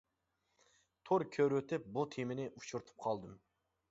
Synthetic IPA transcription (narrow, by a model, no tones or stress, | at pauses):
t̪ʰoɾkʲʰøɾøt̪ɪp̚bot̪ʰeminɪʔut͡ʃʰuɾt̪ʰu̥p̚qʰɑlˠd̪ɨm